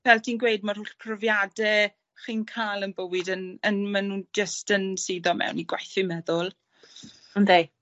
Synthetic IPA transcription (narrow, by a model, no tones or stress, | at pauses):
vɛlˠtʰinɡwejdmar̥hʊɬpʰrɔvjadɛ | χiːnkʰajlˠənbəwɪdənənmanund͡ʒəstənsiːðɔmɛ̰wniɡwajθɪmɛðʊlˠ | əndej